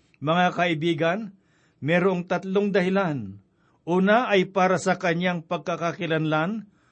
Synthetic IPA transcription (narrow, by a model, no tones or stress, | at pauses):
mɐŋakɐʔɪbiːɡɐn | mɛːɾoʔŋt̪ɐt̪loŋd̪ɐhɪlan | ʔuːnaʔːjpaːɾɐsɐkɐɲaŋpɐɡ̚kakakɪlɐnlan